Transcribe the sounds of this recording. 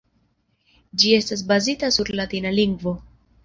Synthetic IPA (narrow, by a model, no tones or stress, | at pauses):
d͡ʒie̞stas̬bazitasuɾlatinaliŋɡvo̞